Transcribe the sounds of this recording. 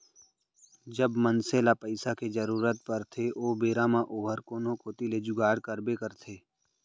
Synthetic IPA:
d͡ʒəbmənseːlapəɪsaked͡ʒəɾuːɾət̪̚pəɾt̪ʰeʔoːbeːɾamãʔoːɦəɾkoːnõkoːt̪iled͡ʒʊɡaːɽkəɾbekəɾt̪ʰeː

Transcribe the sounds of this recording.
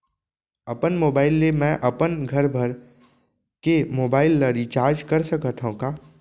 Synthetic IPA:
ɐpənmoːbaːɪlːemɛ̃ʔɐpənɡʱɐɾbʱɐɾ | kemoːbaːɪlːaɾit͡ʃaːɾd͡ʒkɐɾsɐkət̪ʰɦɦũkaː

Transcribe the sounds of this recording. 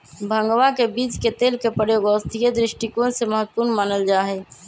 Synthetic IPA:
bʱəŋɡʋakebiːt͡ʃket̪eːlkepɾəjoːɡəəst̪ʰijed̪ɾɪʃʈikõseməɦət̪wpuːɾnmaːnəld͡ʒaːɦɛ

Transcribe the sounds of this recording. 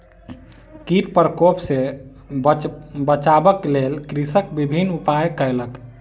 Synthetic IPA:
kiʈpəɾkopse | bət͡ʃabəklelkɾisək̚bibʱinupajkəjlək

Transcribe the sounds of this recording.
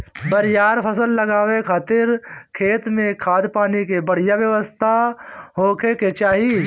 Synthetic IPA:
bəɾjaːɾpʰəsəlːəɡaːwekʰaːt̪ɪɾkʰeːt̪mẽkʰaːd̪paːnikebɐɽ̤ijaʋjəʋəst̪ʰaɦoːkʰeket͡ʃaːɦi

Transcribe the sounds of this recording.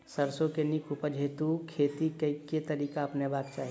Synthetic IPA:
sɐɾsõkenikʰupəd͡ʒʱeːt̪ukʰeːt̪ikeket̪ɐɾiːkaɐpnebaːk̚t͡ʃaːɦi

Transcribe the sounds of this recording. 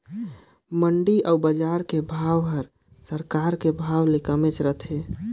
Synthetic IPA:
məɳɖiʔəwbəd͡ʒaɾkebʱawɦəɾ | səɾkaɾkebʱawlekəmet͡ʃɾət̪ʰe

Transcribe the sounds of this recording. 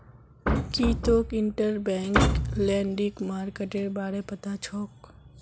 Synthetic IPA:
kiːt̪okɪɳʈəɾbɛ̃ːŋklɛ̃ːɳɖikmaːɾkeʈeɾbaːɽepɐt̪at͡ʃʰɔːk

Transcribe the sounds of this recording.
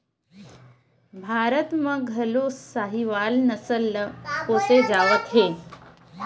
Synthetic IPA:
bʱaːɾət̪mɐ̃ɡʱɐloːsaːɦiʋaːlnɐsəloːsed͡ʒaːʋət̪ɦeː

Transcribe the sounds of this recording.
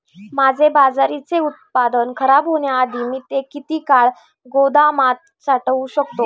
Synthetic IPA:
mad͡zʱebad͡zaɾit͡seut̪̚pad̪ənkʰəɾabɦoɳjaːd̪ʱiːmiːt̪ekit̪iːkaɭ | ɡod̪amat̪̚ | saʈəuɕəkt̪o

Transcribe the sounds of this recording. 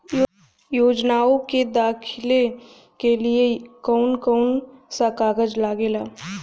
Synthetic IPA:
joːd͡ʒnaːõked̪aːkʰɪle | keliekɔːnkɔːnsakaːɡəd͡ʒlaːɡelaː

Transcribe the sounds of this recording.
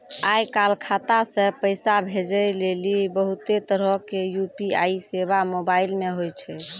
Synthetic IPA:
ajkalkʰat̪asẽpəjsabʱed͡ʒəjlelibəɦut̪et̪əɾəkejupiaiseβamobailmeɦojt͡ʃʰɛ

